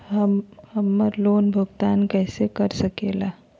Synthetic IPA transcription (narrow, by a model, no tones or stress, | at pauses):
ɦəmhəmːəɾloːnbʱuɡt̪ankəjsekəɾsəkela